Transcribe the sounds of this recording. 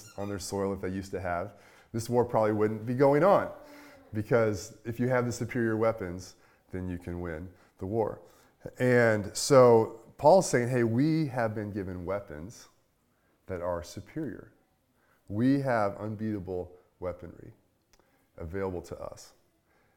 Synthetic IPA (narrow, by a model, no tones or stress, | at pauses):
ə̃nðə˞sɔɪlˠəfðeɪjʉstɨəv | ðɪswɔɹpʰɹ̥ɑbəbliwʊdⁿn̩b̥iɡoʊɪ̃ŋə̃nb̥ɨkʰʌzɨfjɨːvðɨsɨpʰɪɹiə˞wɛpɨ̃nz | ðɨ̃njɨkʰɨ̃nwɪ̃n | ðəwɔ̰ɹ | ɨ̃nsoʊpʰɔlˠz̥seɪɪ̃ŋɦeɪwiɨvbɨ̃nɡɪvɨ̃nwɛpɨ̰̃nz̥ | ðɨɾə˞sɨpʰɪɹiə̰˞ | wiəvə̰̃nbiɾəbl̩ˠ | wɛpɨ̃nɹḭ | ʔɨveɪlˠəbl̩ˠtʰəʔʌ̰s